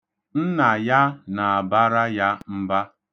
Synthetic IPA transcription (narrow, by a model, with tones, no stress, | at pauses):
n̩˦na˨ja˦na˨a˨ba˦ɾa˦ja˦m̩˦ba˦